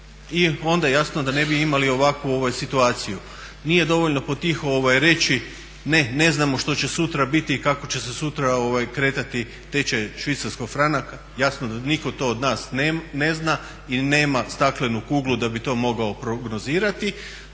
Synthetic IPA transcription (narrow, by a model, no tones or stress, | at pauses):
io̞nd̪ajejasnod̪ane̞biimalio̞ʋakʋuo̞ʋajsit̪uaːt̪siju | nije̞d̪o̞ʋo̞ʎno̞pot̪ːixo̞ʋajɾe̞t͡ɕi | ne̞ne̞znamo̞ʃt̪o̞t͡ɕe̞sut̪ɾabit̪ikako̞t͡ɕe̞sesut̪ɾao̞ʋajkɾe̞t̪at̪i | t̪e̞t͡ɕeʃʋit̪saɾskoɡfɾanaka | jasnod̪aniko̞t̪o̞od̪naːsnene̞zna | ine̞ːmast̪aklenukuːɡlˠud̪abit̪o̞ːmo̞ɡao̞pɾo̞ɡno̞ziːɾat̪i